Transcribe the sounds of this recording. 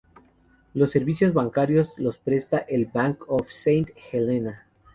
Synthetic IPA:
lo̞sːe̞ɾβisjo̞zβaŋkaɾjo̞zlo̞spɾe̞st̪aʔelbaŋkofsejnt̪xelena

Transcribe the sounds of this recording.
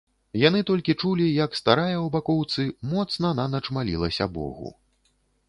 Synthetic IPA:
jan̪ɨt̪ɔlʲkʲit͡ʂulʲijɐkst̪aɾajɐwbakɔwt̪sɨmɔt̪snɐnɐnɐt͡ʂmalʲḭlˠɐsʲɐ̰bɔ̰ɣṵ

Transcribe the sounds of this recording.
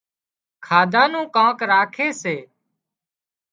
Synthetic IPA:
kʰaːd̪ʱãːnũːkãːkɾaːkʰeːseː

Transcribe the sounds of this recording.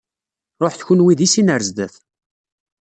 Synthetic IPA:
ɾˤoħθçunwiðisinəɾzd̪əθ

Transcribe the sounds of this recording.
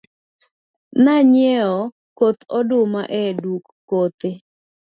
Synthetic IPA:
naɲɛɔ | kot̪ɔdʊmaʔɛdukːot̪e

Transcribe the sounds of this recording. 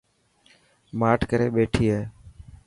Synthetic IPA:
maːʈʰkəɾeːɓeːʈʰiːɦeː

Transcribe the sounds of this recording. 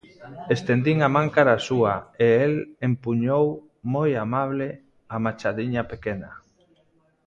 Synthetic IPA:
est̪end̪iŋamãŋkaɾasuaeelempuɲow | mojamaβ̞le | amat͡ʃaðiɲapekena

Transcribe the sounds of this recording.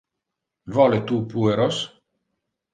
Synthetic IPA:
vɔlet̪upueɾos

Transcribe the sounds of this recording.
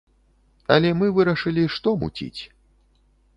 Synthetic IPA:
ɐ̰lʲɛmɨvɨɾɐʂɨlʲiʂt̪ɔmṵt͡sʲḭt͡sʲ

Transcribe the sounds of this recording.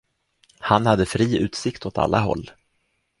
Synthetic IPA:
hanhad̪ːəfɾiːʉ̟ːt̪sɪkt̪ɔt̪ʰa̰lːaɦɔ̰lː

